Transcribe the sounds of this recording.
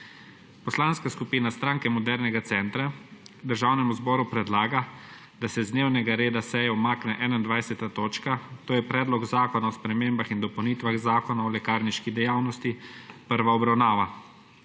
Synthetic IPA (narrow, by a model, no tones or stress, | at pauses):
pɔslanskaskupiːnast̪ɾaːŋkɛmɔd̪ɛɾnɛɡat̪sɛnt̪ɾad̪əɾʒawnɛmuzbɔːɾupɾɛd̪laːɡa | d̪asɛzd̪newnɛɡaɾeːd̪asɛjɛɔmaːknɛʔɛnaind̪ʋajsɛt̪at̪oːt͡ʃkat̪oːjɛpɾɛːd̪lɔɡzaːkɔnaɔspɾɛmeːmbaxind̪ɔpɐwnit̪ʋaɣzaːkɔnaɔlɛkaːɾniʃkid̪ɛjaːwnɔst̪ipəɾʋaɔbɾawnaːʋa